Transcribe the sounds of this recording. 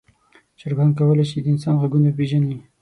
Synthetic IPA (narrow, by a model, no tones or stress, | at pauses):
ʃəɾɡɑnd̪̚kawəlaʃid̪əɪnsɑnɣaɡunap̬eʒani